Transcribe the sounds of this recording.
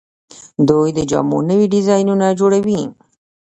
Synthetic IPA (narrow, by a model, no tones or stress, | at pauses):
d̪ujd̪əd͡ʒɑ̰mo̰nəwiɖɪzɑjnunad͡ʒoɽawi